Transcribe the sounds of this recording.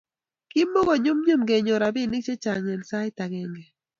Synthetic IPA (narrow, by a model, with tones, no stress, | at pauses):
ki˦mo˦ɡo˦ɲu˦mɲu˦mɡe˨ɲo˨ɾa˨bɪ˦˨nɪ˦t͡ʃe˦t͡ʃa˨ŋe˨nsa˦ɪ˦ta˨ɡɛ˨ŋɡɛ˨